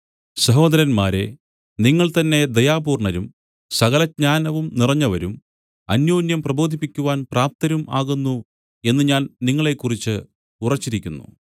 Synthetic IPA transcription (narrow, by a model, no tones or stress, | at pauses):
sɐɦo̞ːd̪ɐɾɐnmaːɾe̞ | niŋːɐɭt̪ɐnːe̞d̪ɐjaːbuːrɳɐɾum | sɐɣɐlɐd̚ɲaːnɐʋumnirɐɲːɐʋɐɾum | ɐnjoːnjɐmprɐbo̞ːd̪ʱipːikʲːuʋaːnpraːp̚t̪ɐɾumʔaːɣunːu | e̞nːɨɲaːnniŋːɐɭe̞kːurit͡ɕːɨ | urɐt͡ɕːiɾikʲːunːṵ